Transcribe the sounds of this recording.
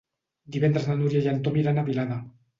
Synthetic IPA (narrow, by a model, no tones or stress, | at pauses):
d̪iβent̪ɾasnanuɾjaʝant̪omiɾanaβilaða